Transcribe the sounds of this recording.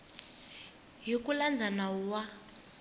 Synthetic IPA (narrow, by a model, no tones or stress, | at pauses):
ɦikuland͡zʱanauwa